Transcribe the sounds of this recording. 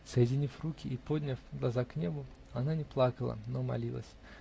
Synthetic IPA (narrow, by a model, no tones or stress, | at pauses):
səjɪdʲɪnʲifrukʲɪːpo̞dʲnʲəfɡlˠɐzaknʲe̞bʊ | ɐnanʲɪplˠakəlˠə̰nomɐ̰lʲilˠə̰sʲ